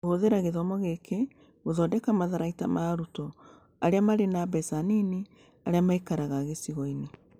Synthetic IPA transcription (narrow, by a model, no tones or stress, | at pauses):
ɣoðeɾaɣeðɔmɔɣekʰe | ɣoðɔdɛkamaðaɾaitamaɾutɔ | aɾeamaɾenabɛsanini | aɾeamaikaɾaɣaɣesiɣɔine